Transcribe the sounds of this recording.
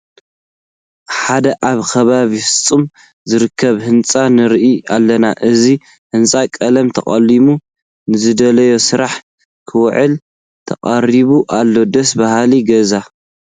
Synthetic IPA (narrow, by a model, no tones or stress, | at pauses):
ħad̪ɐʔaβkʰɐβaβifɨ̥t͡sʼːɨm | zɨɾɨkʰːɐβhɨnt͡sʼanɨɾʔialːɐnaʔɨzi | hɨnt͡sʼakʼɐlɐmt̪ʰɐχʼɐlːimu | nɨzɨd̪ɐlɐjo̞sɨɾaħ | kʰɨwʕɨl | t̪ʰɐkʼɐriβuʔalːo̞d̪ɐsbahaliɡɐza